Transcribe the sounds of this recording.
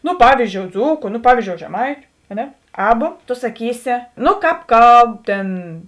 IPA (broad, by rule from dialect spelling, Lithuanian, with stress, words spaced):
nʊ ˈpɑːʋʲiːˌzʲd͡ʒʲoːʊ ˈd͡zuːkʊ nʊ ˈpɑːʋʲiːˌzʲd͡ʒʲoːʊ ʒʲɛˈmɐɪtʲʊ ɐ ˈnʲɛ ˈɑːbɐ toː sɐˈkʲiːsʲɪ ˈnʊ kɑːp ˈkɐlˠp ˈtʲeːn